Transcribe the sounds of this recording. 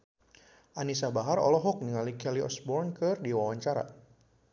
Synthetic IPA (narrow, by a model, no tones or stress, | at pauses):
ʔanisabaɦarɔ̰lɔɦɔk̚niŋalikɛliʔɔ̰sbɔrnkɨrdiwawaɲt͡ʃaɾa̰